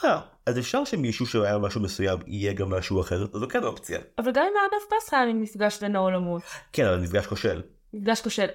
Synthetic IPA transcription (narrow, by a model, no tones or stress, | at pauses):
a | azefʃaʁʃemiʃuʃeajamaʃumesujamḭjeɡamːaʃuaχeʁazokɛnopt͡sia̰avalɡamimadafpasχaaninifɡaʃlenaolamot̪kenavalnifɡaʃkoʃel | nifɡaʃkoʃel